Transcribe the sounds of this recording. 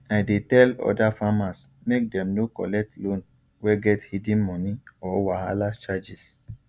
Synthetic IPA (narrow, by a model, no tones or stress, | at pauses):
aɪdetɛlɔ̰dafamasmek̚dɛ̃mnokɔ̰lɛk̚tlõn | wɛɡɛthidĩnmɔ̃nĩɔwaalat͡ʃad͡ʒis